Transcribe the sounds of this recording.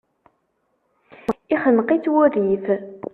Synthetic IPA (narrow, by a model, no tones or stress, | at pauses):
iχənqit͡sːwʊɾiθ